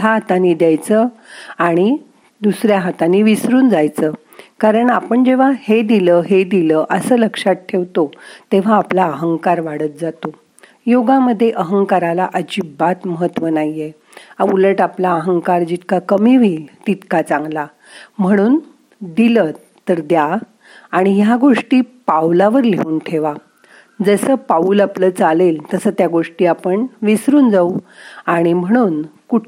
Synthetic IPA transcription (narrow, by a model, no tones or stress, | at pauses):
aɦat̪aniːd̪jajt͡səaɽ̃i | d̪usɾjaɦat̪aniʋisɾuːnd͡zajt͡səː | kaɾəɳapəɳd͡ʑeʋ̤ahed̪iləɦed̪iləːʔəsəːləkʂat̪̚ʈʰːeʋt̪ot̪eʋ̤aːplaəɦəŋkaɾʋaɽət̪̚d͡zat̪o | joɡãməd̪ʱːjeʔəɦəŋkaɾalaʔəd͡ʑibat̪məɦət̪ːʋənaɦie | auləʈaplaəɦəŋkaɾd͡ʑit̪kakəmiʋiːlt̪it̪kat͡sãŋɡla | m̤əɽ̃uːn | d̪ilə | t̪ːəɾd̪jaː | ɽ̃ijaɡoʂʈiːpawlaʋəɾlḛuːnʈʰeʋa | d͡zəsəːpauːlapləːt͡salelt̪əsəːt̪jaɡoʂʈiːapəɳʋisɾuːnd͡zauaɽ̃im̤əɽ̃uːnkuʈ